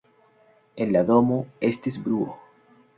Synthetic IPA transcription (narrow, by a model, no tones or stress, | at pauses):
enlaðomoest̪ezbɾuo